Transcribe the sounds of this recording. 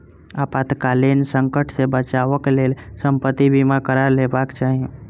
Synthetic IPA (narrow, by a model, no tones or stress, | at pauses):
apat̪kalinsəŋkəʈʰsebət͡ʃaʋəklelsəmpət̪ːibʱimãkəɾaɾlebakt͡ʃaɦ